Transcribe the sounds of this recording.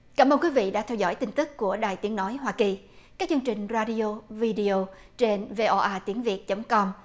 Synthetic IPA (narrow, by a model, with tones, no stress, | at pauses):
kaː˧˩mʔəː˧nkwi˨˦vḭ˧˨ɗa̰ː˧˥t̪ʰɛ˧wzɔ̰˧˩jt̪ï˧ŋ̟t̪ɨ˦˥kːu˧˩əɗaː˨˩jt̪i˨˦əŋnɔ˨˦jɦwaː˧ki˨˩ | kaː˦˥k̚t͡ɕɨ˧əŋt͡ɕï˨˩ŋ̟zaː˧ɗi˧o˧vi˧ɗi˧o˧ | t͡ɕe˧nve˧ʔo˧ʔaː˧t̪i˨˦əŋvi˨˩ət̚t͡ɕə˨˦wŋ͡mkɔ˧m